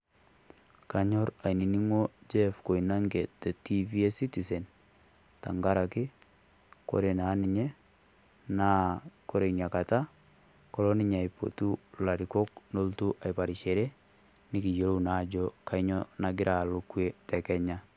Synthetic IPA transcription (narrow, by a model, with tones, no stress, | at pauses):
ka˨ɲɔ˦ɾa˨ni˨ni˦ŋwo˦d͡ʒɛ˦fko˨i˨na˦ŋɡe˨te˨ti˦vi˦e˦si˦ti˨sɛ˨n | ta̰˨ŋɡa˦ɾa˨kɪ˦ | ko̰˦ɾe˨na˨˦nɪ˨ɲe˦ | na˦ko˦ɾe˨nja˨ka˨ta˦ | kɔ˦lɔ˦nɪ˦ɲa˨ipo̰˨tu˦la˨ɾikɔ˦k̚no˦ltu˦ʔa˨jpa˨ɾi˨ʃe˨ɾe˦ | nɪ˦ki˨jo˨ɾo˦una˨˦d͡ʒɔ˦ka˦ɪɲɔna˨ɡɪ˦ɾʔa˨lʊkwe˦tɛ˨kɛ˦ɲa˦